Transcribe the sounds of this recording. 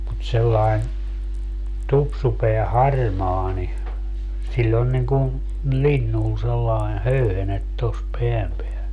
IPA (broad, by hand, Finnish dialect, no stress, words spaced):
mut selːɑi̯n tupsupeæ hɑrmɑː ni silʲː on niŋ ku linːun selːɑi̯n høyhenet tos peæm peæl